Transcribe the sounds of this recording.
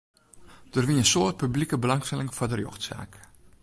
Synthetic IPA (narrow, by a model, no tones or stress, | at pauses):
d̥ərʋinənsoːərt̚pyblikəbəlɑŋstɛlɪŋfɔrdərjo̰xtsa̰ːk